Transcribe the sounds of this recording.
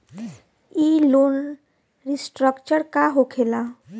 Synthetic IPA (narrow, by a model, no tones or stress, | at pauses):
iloːn | ɾisʈɾəkt͡ʃəɾkaɦokʰeːla